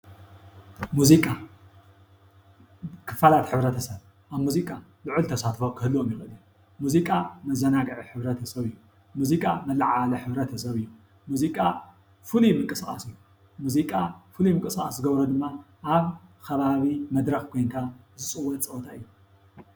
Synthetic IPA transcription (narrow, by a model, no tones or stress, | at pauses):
muzikʼa | kʰɨ̥falat̪ħɨβɾɐt̪ʰɐsɐβ | ʔaβmuzikʼalɨʕult̪ʰɐsat̪fokʰɨhɨlːuomjɪxʔɨlu | muzikʼamɐzɐnaɡʕiħɨβɾɐt̪ʰɐsɐβɨjːu | muzikʼamɐlaʕalɐħɨβɾɐt̪ʰɐsɐβɨjːu | muzikʼa | fɨlimɨkʼɨsχʼa̰sɨjːu | muzikʼafɨlumɨŋkʼɨsχʼaszɨɡɐβɾod̪ɨmːa | ʔaβkʰɐβaβimɐd̪ɾɐxkʰo̞jnt̪ʰazɨt͡sʼɨwːɐt̪t͡sʼɐwt̪ʰaɨjːu